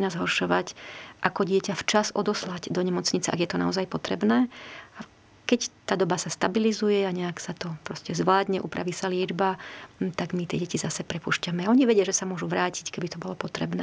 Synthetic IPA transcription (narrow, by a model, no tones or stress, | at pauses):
nazɦɔɾʃɔʋacʔakɔɟɪɛcaft͡ʃazɔd̪ɔslaɟd̪ɔɲɛmɔt͡sɲit͡sɛʔa̰ɡjɛt̪ɔnaɔzajpɔt̪ɾɛ̰bnɛːa | kɛct̪aːd̪ɔbasast̪abilizujɛaɲɛaksat̪ɔpɾɔscɛzʋlaːd̪ɲɛʔṵːpɾʔa̰ʋiːsalɪɛd͡ʒbat̪aɡmit̪ɪɛɟɛcizasɛpɾɛpuʃcamɛaɔɲiʋɛɟɪaʒɛsamʊɔʒuʋɾaːci̥ckɛbit̪ɔbɔlɔpɔt̪ɾɛbnɛː